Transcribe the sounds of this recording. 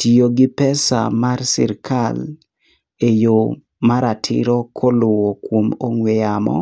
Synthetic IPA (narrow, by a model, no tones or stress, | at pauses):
tioɡɪpɛsa̰marsɪ̰ɾkʰal | ejo | maɾatʰɪ̰ɾɔkʰɔlʊwɔkwomoŋwɛjamɔ̰